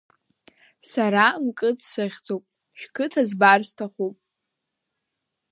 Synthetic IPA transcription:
saɾamkʼɨt͡sʰsɨʁʲd͡zowpʼ | ʃᶣkʰɨtʰazbarstʰaχʷupʼ

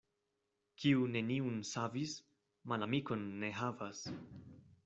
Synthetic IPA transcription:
kʰiune̞niunsavis | malamiko̞nːe̞ɦavas

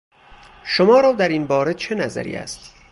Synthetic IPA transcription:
ʃomɒːɾɒːd̪æɾiːnbɒːɾet͡ʃʰe̞næzæ̰ɾḭːæ̰st̪

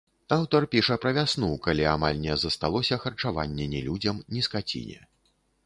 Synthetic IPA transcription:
awt̪ɐrpʲiʂɐpɾɐvʲasnukalʲiamalʲnʲɛzɐst̪alˠɔsʲɐxɐrt͡ʂava̰nʲːɛnʲɛlʲud͡zʲɐmnʲiskat͡sʲḭnʲɛ̰

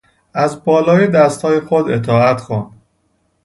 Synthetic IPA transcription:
æzbɒːlɒːjed̪æst̪hɒːjexod̪et̪ʰɒːæt̪xuːnd̪

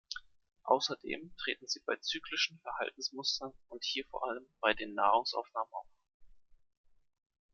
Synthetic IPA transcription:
ʔa̰ʊsɐdḛːmtʁ̥eːtn̩ziːbaɪt͡syːklɪʃn̩fɛɐha̰ltn̩smʊstɐnʊnthiːɐfoːɐʔaləmb̥aɪdeːnːa̰ːʁʊŋsʔa̰ʊfnaːmənʔa̰ʊf

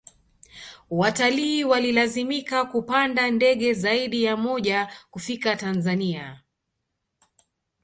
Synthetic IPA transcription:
wataliːwalilazimikakupandandɛɠɛzaiɗijamɔʄakufikatanzania

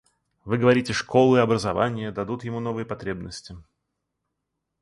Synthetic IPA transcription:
vɨɡəvɐɾʲitʲɪʂko̞lˠɨɪɐbɾəzɐvanʲɪjəd̪ɐd̪ut̪jɪmunovɨjəpɐt̪ɾʲebnəsʲtʲɪ

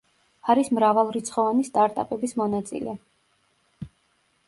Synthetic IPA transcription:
aɾismɾavalˠɾit̪sʰχɔvanist̪ʼaɾt̪ʼapʼɛbismɔnat̪sʼḭlɛ

